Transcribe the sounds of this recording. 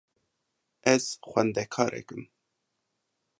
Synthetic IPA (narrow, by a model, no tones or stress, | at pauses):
ʔɛz̥xʷɛnd̪ɛkʰɑːɾʔḛkɨm